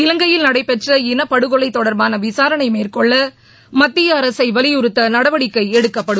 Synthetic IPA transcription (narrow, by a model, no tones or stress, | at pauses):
ɪlɐŋɡɐjɪlnɐɽɐɪpːɛʈrɐɪnɐpːɐɽɯɣɔɭɐɪt̪ːɔɽɐɾbaːnɐʋɪsaːɾɐnɐɪmeːrkɔɭːɐ | mɐt̪ːɪjɐːɾɐsɐɪʋɐlɪjʊɾɯt̪ːɐnɐɽɐʋɐɽɪkːɐɪɛɽɯkːɐpːɐɽɯ